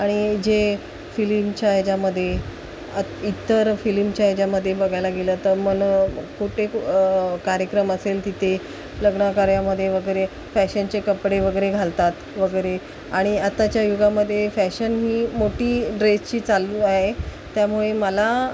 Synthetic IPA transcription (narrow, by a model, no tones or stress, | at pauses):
aɽ̃id͡ʑe | filimt͡ɕajd͡ʑaməd̪ʱːje | əit̪ːəɾfilimt͡ɕajd͡ʑaməd̪ʱːjebəɡʱajlaɡelət̪əɾmənkuʈe | kaɾjəkɾəməselt̪it̪ʰe | ləɡɳakaɾjaməd̪ʱːjeʋəɡəjɾe | fæɕənt͡ɕekəpɽeʋəɡəjɾeɡʱalt̪at̪ʋəɡəjɾe | aɽ̃iat̪at͡ɕjajuɡaməd̪ʱːjefæɕənɦiːmoʈiːɖɾest͡ɕiːt͡saluaɦe | t̪jamuɭeməla